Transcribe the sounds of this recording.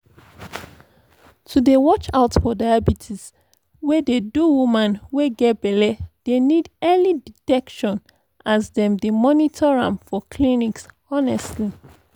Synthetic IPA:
tʰudewɔt͡ʃaʊtfɔdajabitʰis | wɛdeduwumãnweɡɛt̚bɛlɛd̥enidɛliditɛkʃɔ̃n | azdɛ̃mdemɔnitʰɔɹã̰mfɔkʰliniks | ɔnɛstli

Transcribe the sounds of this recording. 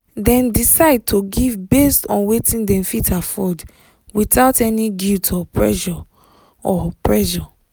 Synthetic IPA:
dɛ̃ndisaɪd̚tʰoɡivbestɔ̃nwetʰĩndɛ̃mfitʰafɔd | wiθaʊtɛniɡiltʰɔpʰɹɛ̰ʒɔ | ɔpʰɹɛʒɔ

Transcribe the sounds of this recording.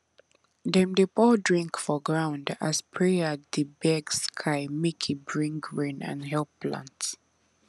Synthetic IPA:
dɛ̃mdipɔdɹĩŋkfɔɡɹãʊ̃nda̰spʰɹɛədibɛɡskʰaɪmikʰibɹĩŋkɹĩnã̰nɦɛlplã̰nt

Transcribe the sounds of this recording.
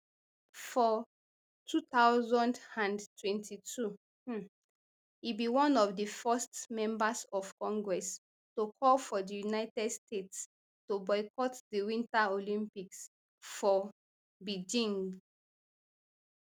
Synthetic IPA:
fɔ | tʰutaʊzɔ̃ndãndtwɛ̃ntʰitʰu | ibiwɔ̃nɔvdəfɛstmɛ̃mbasɔv̥kɔ̃ŋɡɹɛs | tokʰɔlfɔdəjunaɪtɛdstets | tobɔɪkɔtdiwĩntaolĩmpiks | fɔ | bid͡ʒĩn

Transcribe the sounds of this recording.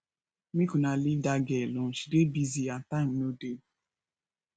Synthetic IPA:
mikunalidaɡelʊʃi̥debiziatannode

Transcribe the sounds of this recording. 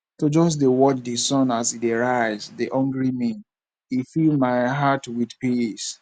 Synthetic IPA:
tod͡ʒɔs̬dewɔt͡ʃdesɔ̃nasideɹaɪzdeʔɔ̃ŋɡɹimĩn | ifilmaɪɦatwidpis

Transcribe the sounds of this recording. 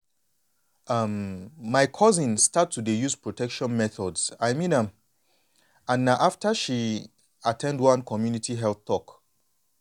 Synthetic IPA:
ʌmːaɪkʰɔzĩnstatʰːudejuzpɹotʰɛkʃɔ̃nmɛθɔdsaɪmĩnãm | ãnːaʊʔaftəʃi | atʰɛ̃ndwãnkʰɔmjunitiɦɛlθtɔk

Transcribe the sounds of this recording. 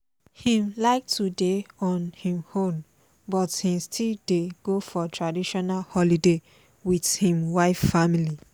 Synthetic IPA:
hĩmlaɪk̚tʰudeɔ̃nhĩmhõm | bɔthĩmstʰildeɡ̥ofɔtʰɹadiʃɔnalhɔlide | wiθhĩmwaɪffamili

